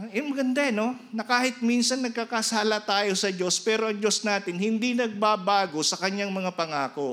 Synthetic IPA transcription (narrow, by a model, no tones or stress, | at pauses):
jʊnmɐɡɐnd̪aɐno̞ | nɐkaːhɪt̪̚minsɐnːɐɡ̚kakɐsaːlɐt̪aːjo̞sɐd͡ʒo̞spɛːɾo̞ʔɐŋd͡ʒo̞snaːt̪ɪnhɪnd̪inɐɡ̚baːbaːɡo̞sɐkɐɲaŋmɐŋapɐŋaːko̞